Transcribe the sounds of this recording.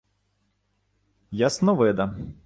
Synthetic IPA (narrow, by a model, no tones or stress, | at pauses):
jasnɔʋɪd̪ɐ